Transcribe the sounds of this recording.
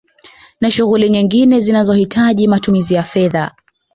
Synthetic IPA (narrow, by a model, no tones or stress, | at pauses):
naʃuɣuliɲiŋɡinɛzinazɔhitʰaʄimatumizijafɛða